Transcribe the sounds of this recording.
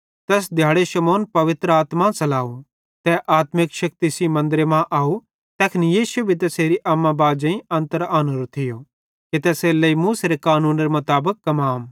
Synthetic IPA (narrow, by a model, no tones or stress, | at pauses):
t̪ɛːs̬d̪ʱjaːɽeʃɐmɔːnpɐʋɪt̪ɾəaːt̪mãsɐlaːu | t̪ɛʔaːt̪mɪkʃɐk̚t̪isimɐ̃nd̪ɾemãʔaːu | t̪ɛːkʰɪnijiːsubʱit̪̬ɛseːɾiʔɐmːãbaːd͡ʒɐ̃ĩɐ̃nt̪əɾaːnəɾt̪ʰːɪjo | ket̪ɛːselɐimuːseɾekaːnũːnɾemɐt̪aːbəkːɐmaːm